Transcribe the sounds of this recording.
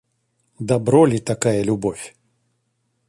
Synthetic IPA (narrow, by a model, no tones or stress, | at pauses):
d̪abɾɔlʲit̪akajɐlʲubɔfʲ